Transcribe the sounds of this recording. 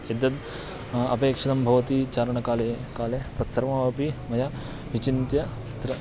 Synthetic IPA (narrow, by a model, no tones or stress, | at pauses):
ed̪ɐd̪ | ɐ̰peːkʂɐd̪ɐmbʱɐʋɐt̪it͡ʃaːɾɐɳɐkaːlekaːlet̪ɐt̪sɐɾʋaːʋɐpimɐja | ʋit͡ʃint̪jɐ | t̪ɾɐ